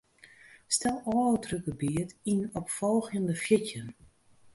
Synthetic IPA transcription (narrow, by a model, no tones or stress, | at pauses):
stɛlˠɔːtʰrøɡəbiətinɔpfɔlˠɣjəndəfjɪcjən